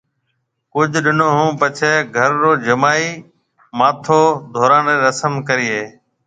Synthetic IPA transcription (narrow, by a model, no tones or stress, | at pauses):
kʊd͡ʒʱɗɪnõːɦũːpət͡ʃʰɛːɡʱəɾːoːd͡ʒəmaːiː | maːt̪ʰoːd̪ʱoːɾãːnɾeːɾəsəmkəɾɪːeː